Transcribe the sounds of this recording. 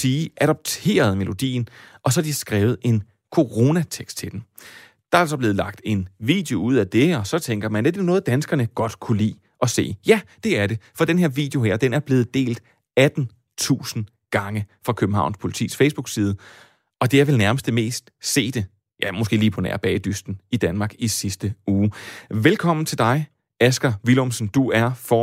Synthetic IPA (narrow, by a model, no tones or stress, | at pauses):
siːʔæɾ̥ɒb̥̚t͡sʰe̝̰ːɐð̞ˠme̝lʔo̝d̥ḭːn̩ʔɒ̽sɒhɑd̥isɡ̥ʁɛːʊð̞̩ˠe̝n | kʰo̝ʁo̝næt͡sʰeɡ̥sd̥̚t͡sʰe̝d̥en | d̥ɑ̈æælsɒb̥le̝ːð̞̩ˠlɑ̈ɡ̥̚d̥e̝nʋḭːd̥jeo̝uð̞̰ˠæd̥e̝ɒ̽sɒ̽t͡sʰeŋɡ̥ɐmæn̥edenɔ̽ːð̞̩ˠd̥ænsɡ̥ɐnəɡ̥ɒ̽d̥kʰulḭː | ʔɒ̽se̝̰ːjæd̥e̝æɐɾe̝fɒ̽d̥enɦe̝ɐʋḭːd̥eo̝ɦeɐ̰d̥enæɐb̥le̝ːð̞̩ˠd̥e̝̰ːld̥ | æd̥n̩ | t͡sʰṵːsn̩ | ɡ̥ɑ̈ŋəfʁɑ̈kʰøb̥m̩ɦɑ̈ʊ̰nspʰo̝lit͡sʰḭːsfeɪsb̥uɡ̥siːð̞ˠə | ʔɒ̽d̥e̝æɐʋelnæɐməsd̥eme̝̰ːsd̥se̝̰ːd̥e̝ | jæmosɡ̥e̝̰ːliːpʰɒ̽næ̰ɐb̥ɛ̰ːɪd̥ysd̥n̩id̥ænmɑ̈ːɡ̥isisd̥əuːʋelkʰɒ̽m̰n̩t͡sʰe̝ld̥ɑ̈ɪ | æsɡ̥ɐʋilomsn̩d̥uæɐfɒ